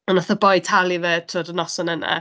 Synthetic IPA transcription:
ɔnɔθəbɔjtʰalˠiveːtʰrɔːdənɔsɔnəna̰

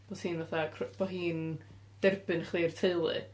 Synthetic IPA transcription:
b̥oshiːnvaθakʰrɔb̥ɔɦiːn | d̥ɛrbɨnəχlˠirtʰeɨlˠɨ̰

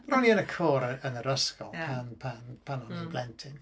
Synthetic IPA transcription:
məɾɔniənəkʰoːɾəənəɾəskɔlˠpʰanpʰanpʰanɔnəblɛntʰɪn

